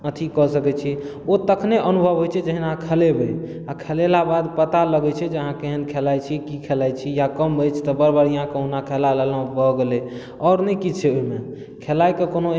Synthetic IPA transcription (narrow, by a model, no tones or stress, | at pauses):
ət̪ʰikɔsəkɛt͡ʃʰɛ | ot̪əkʰneʔənubʱəbɦojt͡ʃʰɛd͡ʒəɦinaãkʰəlebe | akʰelelabad̪pət̪aləɡɛt͡ʃʰɛd͡ʒəɦãkeɦənkʰelajt͡ʃʰikikʰelajt͡ʃʰijakəmbʱəjt͡ʃʰt̪ɔbəɾbəɾijãkəɦunakʰɛlalelə̃bʱəɡele | ɔːɾnəkit͡ʃʰɛoɦime | kʰelajkekono